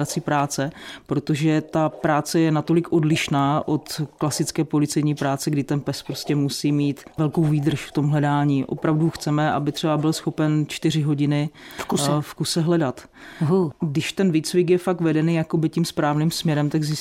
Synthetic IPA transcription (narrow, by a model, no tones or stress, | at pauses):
at͡siːpɾaːt͡sɛpɾo̞t̪o̞ʒɛt̪apɾaːt͡sɛjɛnat̪o̞lɪkʔo̞dlɪʃnaːʔo̞t̪klasɪt͡skɛːpo̞lɪt͡sɛjɲiːpɾaːt͡sɛɡdɪt̪ɛnpɛspɾo̞scɛmusiːmiːt̪vɛlko̞wviːd̪r̩ʃft̪o̞mɦlɛdaːɲiːʔo̞̰pɾavduxt͡sɛmɛʔa̰bɪt̪r̥ɛbabɪlsxo̞pɛnt͡ʃt̪ɪr̝ɪɦo̞ɟɪnɪfksfkusɛɦlɛdat̪ | ɡdɪʃt̪ɛnviːt͡svɪkjɛfak̚t̪vɛdɛniːjako̞bɪcimspɾaːvniːmsmɲɛɾɛmt̪aɡzɪ